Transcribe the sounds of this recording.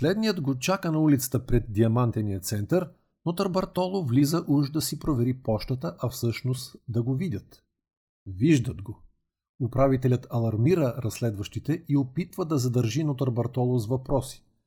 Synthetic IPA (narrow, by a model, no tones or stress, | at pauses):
slɛd̪nijəd̪ɡot͡ʃakənɐulit̪sə̥t̪əpɾɛd̪̚ːiɐmant̪ɛnijət̪sɛnt̪ɐɾ | not̪əɾbɐɾt̪ɔlˠovlizəʔuʒd̪ɐsipɾovɛɾipɔʃt̪ət̪əʔɐfsɤʃnost̪d̪ɐɡovidʲət̪ | viʒd̪əd̪ɡo | ʊpɾavit̪ɛlʲət̪ɐlˠɐɾmiɾəɾɐslɛd̪vɐʃt̪it̪ɛʔiopit̪vəd̪ɐzɐd̪əɾʒinot̪əɾbɐɾt̪ɔlˠozvɐpɾɔsi̥